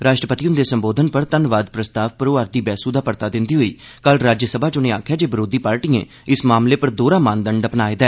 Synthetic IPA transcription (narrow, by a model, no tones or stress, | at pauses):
ɾaːʃʈɾəpət̪ijõːd̪eːsəmboːd̪ʱənpəɾt̪ənʋaːd̪pɾəst̪aːʋpəɾoːaːɾd̪iːbɛːsud̪aːpəɾt̪aːd̪ɪ̃nd̪iːɦoiː | kəlɾaːd͡ʒjəsəbʱaːd͡ʒonẽːa̰ːkʰjaːd͡ʒeːbəɾoːd̪iːpaːɾʈiːḛ̃ː | ɪsmaːmleːpəɾd̪oːɾaːmaːnd̪əɳɖəpnaːeːd̪ɛː